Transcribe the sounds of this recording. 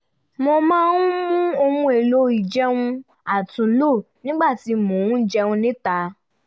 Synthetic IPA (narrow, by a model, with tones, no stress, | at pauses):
mo˧mãː˦nũ˦mũ˦o˧mũ˧˦e˨lo˧i˨d͡ʒɛ˦wũ˧ | a˨tũ˨˦lo˦˨ | nĩ˦ɡ͡ba˦˨ti˨˧˦mõ˨ũ˦d͡ʒɛ˧wũ˧nĩ˦ta˧